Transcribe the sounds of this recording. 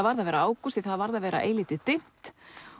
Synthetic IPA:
vaɾðavɛːɾaaːwkusɪθaðvaɾðavɛːɾa̰ʔḛːjlɪːt̪ɪt̪em̥t̪

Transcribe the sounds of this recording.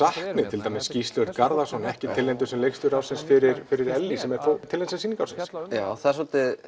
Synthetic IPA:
sahknɪt̪ʰɪlt̪aːjmɪsːcist̪lœɾt̪kaɾðasɔnɛhcɪt̪ʰɪlːɛnt̪ʏsɛmlejkst̪ʏɾaːwsɪnsfɪɾɪɾfɪɾɪɾɛlːisɛmɛɾ̥fot̪ʰɪlensɛnsiːniŋkawsɪnsjaθasɔlt̪ɪ

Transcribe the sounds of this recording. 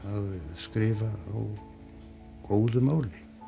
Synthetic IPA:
aðskɾɪːvaa̰w | koːwðʏmaːwlɪ

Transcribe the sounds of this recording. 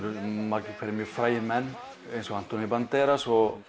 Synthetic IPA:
ɾʏmaɾcɪkʰvɛɾɪmjœfɾaːjɪnmɛnː | ejnsɔan̥t̪ɔnipant̪ɛːɾasɔ

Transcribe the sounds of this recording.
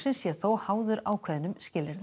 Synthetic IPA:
sɪnsjɛθowhaːwðʏɾaːwkʰvɛðnːʏmscɪlːɪɾða

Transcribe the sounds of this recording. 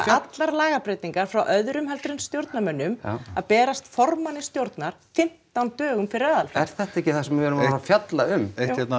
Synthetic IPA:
at̪laɾlaːɣapɾeːjt̪iŋkaɾ̥fɾawʔœðɾʏmɦɛlt̪ɾɪnst̪jowɾt̪namœnːʏmaðpɛːɾast̪fɔrmanɪst̪jowɾt̪naɾ̥fɪn̥t̪ant̪œːɣʏmfɪɾɪɾaðalfɛɾ̥θɛht̪aɛhcːɪθasɛmɪvɛːɾʏmɾafjat̪laʏmehɛt̪n

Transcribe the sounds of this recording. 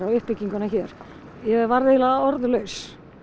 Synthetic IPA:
ɾawʏhpːɪcːiŋkʏnaçɛːɾ̥ | jɛvaɾðejlaaɔɾðlœɥs

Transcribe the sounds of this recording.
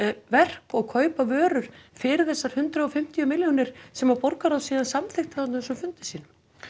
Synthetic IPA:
vɛr̥kɔɣkʰœːɥpavœːɾʏɾ̥fɪɾɪθɛsːaɾ̥hʏnt̪ɾaɔfɪm̥t̪ijʏmɪljɔnɪɾ̥sɛmaɾpɔɾkaɾawðsiːðansamθɪxt̪aθat̪nsʏmfʏnt̪ɪsiːnʏ

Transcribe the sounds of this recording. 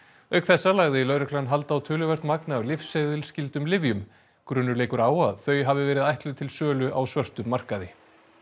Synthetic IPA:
œɥkθɛsːalaɣðɪlœɥɾɪkʰlanɦalt̪awt̪ʰʏːlʏvɛr̥t̪nmaknawlɪfsejðʏlscɪlt̪ʏmlɪvjʏm | kɾʏnːʏɾeːjkʏɾaːwaðθœːɥjɦavɪvɛːɾɪðajht̪lʏt̪ʰɪlsœːlʏʔawsvœr̥t̪ʏmːar̥kaðɪ

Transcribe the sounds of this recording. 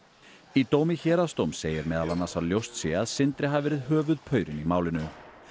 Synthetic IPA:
it̪oːwmɪçɛːɾast̪owmseːjɪɾmɛːðalanːasaljowst̪sjɛaðsɪnt̪ɾɪɦavvɛːɾɪðɦœːvʏðpʰœːɥɾɪnimaːwlɪnʏ

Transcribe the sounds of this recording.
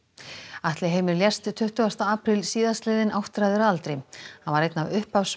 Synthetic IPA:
aht̪lɪɦeːjmɪɾljɛrst̪t̪ʰːʏht̪ʏɣast̪aaːpɾɪlsiːðast̪lɛːðɪnʔawht̪ɾajðʏɾaalt̪ɾɪhanvaɾejt̪navʏhpavs

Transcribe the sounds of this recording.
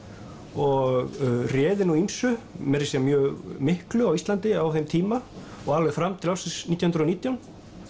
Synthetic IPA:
ɔɣrjɛːðɪnuimsʏmɛɾɪsjɛmjœːɣmɪhklʏawist̪lant̪ɪawθejmt̪ʰiːmaɔɣalvɛɣfɾamt̪ʰɪlawfsɪsnit̪jwhnɾɔniːt̪jawn

